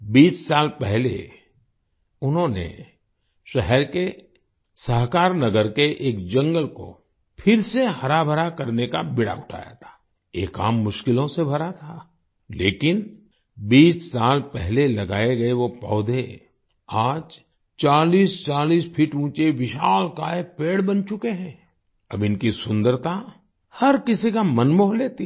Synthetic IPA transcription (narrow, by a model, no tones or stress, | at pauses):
biːssaːlpɛɦlḛ | ʊnɦõnḛ | ʃɛɦɛɾke | səɦkaːɾnɐɡəɾkeʔeːkd͡ʒɐ̃ŋɡəlko̰ | pʰɪɾsehɐɾabʱəɾakɐɾneka̰bɪɽa̰ʊʈʰa̰ːja̰t̪ʰḁː | ḛːka̰ːmːʊʃkɪlõsebʱɐɾat̪ʰa | leːkɪn | biːssaːlpɛɦlelɐɡaːeɡɐeʋopɔːd̪ʱe | aːd͡ʒ | t͡ʃaːliːst͡ʃaːliːspʰiʈũːt͡ʃeʋɪʃaːlkaːepeːɽbɐnt͡ʃʊkeɦɛ̃ː | ɐ̰bɪnkisʊ̃nd̪əɾt̪a | hɐɾkɪsikamənmoːɦleːt̪i